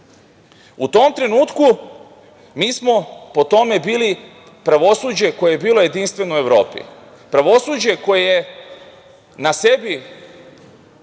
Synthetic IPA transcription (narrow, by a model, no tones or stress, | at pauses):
ut̪o̞mt̪ɾe̞nuːt̪ku | miːsmo̞po̞t̪o̞me̞biːli | pɾaʋo̞suːd͡ʑe̞ko̞jejebiːlo̞je̞d̪inst̪ʋe̞noue̞ʋɾo̞ːpḭ | pɾaʋo̞suːd͡ʑe̞ko̞jeje̞ | nase̞bi